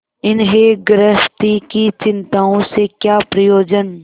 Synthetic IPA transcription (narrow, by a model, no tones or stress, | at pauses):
ɪnɦeɡɾəst̪ikit͡ʃɪ̃nt̪aːõsekjaːpɾɐjoːd͡ʒən